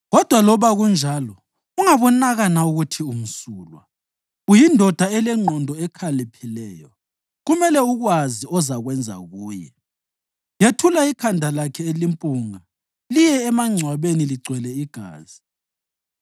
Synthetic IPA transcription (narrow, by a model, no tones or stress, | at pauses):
ɣɔd̥ʱwalɔβaɣund͡ʒʱalɔ | uŋaβɔnaɣanauɣutʰium̩suːlwa̰ | ujindʱɔd̥ʱaɛlɛŋ͡ǀʱɔndʱɔɛkʰalipʰilɛːjɔ̰ | ɣumɛlɛuɣwaziɔzaɣwɛnd͡zʱa̰ɣuːjɛ̰ | jetʰulaikʰandʱalakʰɛelimpʼuŋa | lijɛːmaŋ͡ǀʱwaβeniliǀwɛlɛiɡ̥ʱa̰ːz̥i